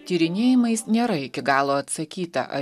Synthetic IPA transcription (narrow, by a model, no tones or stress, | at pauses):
t̪ʲiːɾʲɪnʲeːjɪmɐɪsnʲeːɾɐɪkʲɪɡɑːlˠoːɐt̪sɐkʲiːt̪ɐ̰ʔɐ̰